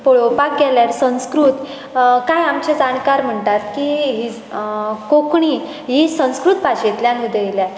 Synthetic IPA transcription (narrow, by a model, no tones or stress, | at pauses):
poɭopak̚ɡɛljaɾsə̃skɾuːt̪ | kajamt͡ɕed͡zankaɾm̤əɳʈat̪kiɦi | kokɳi | ɦisə̃w̃skɾut̪̚paɕet̪ljãnʋid̪əjljã